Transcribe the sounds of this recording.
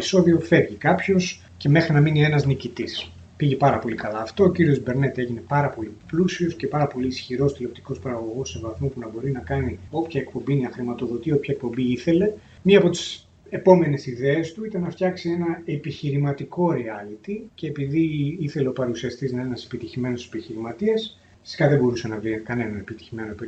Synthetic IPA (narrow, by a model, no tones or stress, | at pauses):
iso̞ðio̞fe̞ɾʝikɐpço̞s | ce̞me̞xɾinɐminie̞nɐznicit̪is | piʝepɐɾɐpo̞likɐlɐːft̪o̞ːciɾio̞zbe̞ɾne̞t̪e̞ʝine̞pɐɾɐpo̞liplusio̞sce̞pɐɾɐpo̞liːsçiɾo̞st̪ilo̞p̚t̪i̥ko̞spɐɾɐɣo̞ɣo̞sːe̞vɐθmupunɐbo̞ɾinɐkɐnio̞pçɐek̚po̞mbinɐxɾimɐt̪o̞ðo̞t̪io̞pçɐek̚po̞mbiiθe̞le̞ | miɐːpo̞t̪i̥s | e̞po̞me̞ne̞siðeːst̪uit̪ɐnɐft̪çɐksie̞nɐe̞piçiɾimɐt̪iko̞ɾeɐlit̪ice̞ːpiðiiθe̞le̞o̞pɐɾusiɐst̪iznɐenɐse̞̥pit̪içime̞nosse̞piçiɾimɐt̪iɐs | fi̥si̥kɐðebo̞ɾusenɐvɾikɐne̞nɐepit̪i̥çime̞no̞p